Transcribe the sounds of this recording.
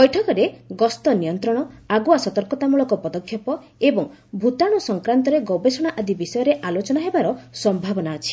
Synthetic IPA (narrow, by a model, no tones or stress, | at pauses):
bɔjʈʰɔkɔɾeɡɔst̪ɔnijɔnt̪ɾɔɽ̃ɔaɡuasɔt̪ɔɾkɔt̪amuɭɔkɔpɔd̪ɔkʰːjɔpɔ | ebɔŋ | bʱut̪aɽ̃ɔsɔŋkɾant̪ɔɾeɡɔbesɔɽ̃aʔad̪ibisɔjɔɾeʔalot͡ʃɔnaɦebaɾɔsɔmbʱabɔnaɔt͡ʃʰi̥